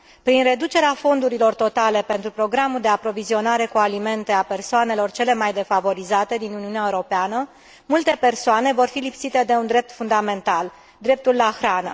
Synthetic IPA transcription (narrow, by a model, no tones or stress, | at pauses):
pɾinre̞d̪ut͡ʃe̞ɾeafo̞nd̪uɾilo̞rt̪o̞t̪ale̞pe̞nt̪ɾupɾo̞ɡɾamuld̪e̞apɾo̞vizio̞naɾe̞kualime̞nt̪e̞ape̞rsoane̞lo̞rt͡ʃe̞le̞majd̪e̞favo̞ɾizat̪e̞d̪inuniuneaeuɾo̞peanə | mult̪e̞pe̞rsoane̞vo̞rfilipsit̪e̞d̪e̞und̪ɾe̞p̚t̪fund̪ame̞nt̪al | d̪ɾe̞p̚t̪ulːaxɾanə̰